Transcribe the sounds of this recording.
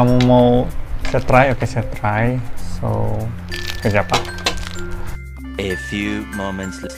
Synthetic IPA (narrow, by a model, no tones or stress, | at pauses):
amumawsɛat̪ɾajokesat̪ɾajso̰ | kəd͡ʒapa | efjumomɛ̃ntsl